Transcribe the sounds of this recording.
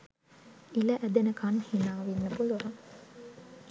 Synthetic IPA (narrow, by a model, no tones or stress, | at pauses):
ilɐʔæd̪enəkanhinaːʋenːəpuluɾaŋ